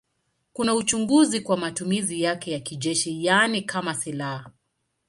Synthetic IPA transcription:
kunaut͡ʃuŋɡuzikwamatumizijakɛjakiʄɛʃijanikʰamasilaha

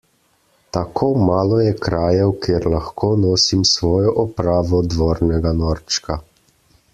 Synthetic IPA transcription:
t̪akʰoːmaːlɔjɛkɾaːjɛwkʰeɾlaxkʰoːnɔːsimsʋɔːjɔʔɔpɾaːʋɔd̪ʋɔːɾnɛɡanɔːɾt͡ʃka

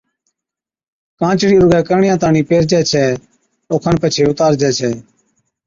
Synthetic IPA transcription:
kãːt͡ʃɽiːɾʊɡɛːkəɾɳɪjãːt̪aːɳiːpeːɾd͡ʒɛːt͡ʃʰɛː | oːkʰəɳpət͡ʃʰeːʊt̪aːɾd͡ʒɛːt͡ʃʰɛː

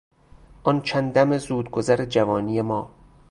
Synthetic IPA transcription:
ʔɒnt͡ʃʰænd̪æmezuːd̪ɡozæɾed͡ʒævɒːniːjemɒː

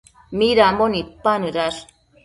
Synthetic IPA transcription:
miɾamonit̚panɨɾaɾ

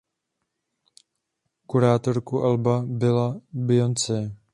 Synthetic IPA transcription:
kuɾaːt̪oɾkuʔalbabɪlabɪjont͡sɛ

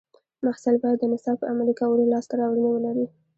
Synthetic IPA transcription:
mahsalbɑjad̪ːənɪsɑpəamalikawəlolɑst̪aɾɑwɽənewəlaɾi

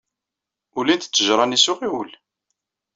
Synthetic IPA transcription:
ʊlint̪t͡sːəʒɾˤɑnisʊʁiwəl

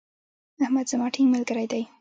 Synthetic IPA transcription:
ahmad̪z̥amɑʈʰiŋmalɡəɾajd̪aj

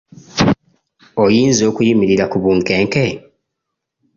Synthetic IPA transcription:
ojiːnzo̞ːkujimiɾiɾakuβuŋkeːŋke

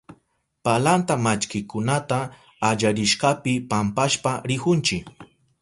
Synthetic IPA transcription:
palant̪amat͡ʃkɪkʊnat̪aː | ʎaɾɪʃɢɑpɪpampaʃpaɾɪhʊnt͡ʃɪk

